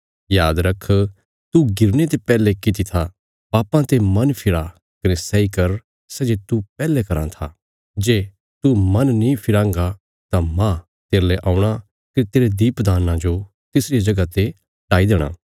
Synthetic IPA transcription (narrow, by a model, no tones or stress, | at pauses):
jaːd̪ɾɐkʰː | t̪uɡɪɾnet̪̬epɛːlekɪt̪it̪ʰa | baːpːãt̪emɐnpʰɪɾa | kɐnesɛikɐɾ | sɛːd͡ʒet̪upɛːlekɐɾã̰t̪ʰa | d͡ʒeː | t̪umɐnnĩpʰɪɾãːŋɡa | t̪ãmã | t̪eːɾleʔãːʊ̃ɽ̃a | kɪɾt̪eːɾed̪iːpd̪aːnãd͡ʒo | t̪ɪsɾijad͡ʒɐɡat̪e | ɖaːid̪eːɽ̃a̰ː